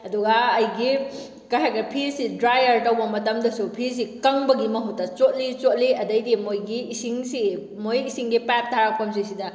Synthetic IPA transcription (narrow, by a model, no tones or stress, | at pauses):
ɐduɡɐːjɡi | kɐjɦakɐpʰisidɾajɐɾtɐwbɐmɐtɐmdɐsupʰis̬ikɐŋbɐɡimɐɦutːɐt͡ʃot̚lit͡ʃot̚liɐdɐjdimojɡiːsiŋsi | mojisiŋɡipap̚tʰaɾap̚ʰkɐmsisidɐ